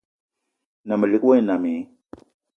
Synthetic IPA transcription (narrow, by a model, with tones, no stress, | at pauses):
na˨mə˨li˦kwa˦jna˨mi˨˦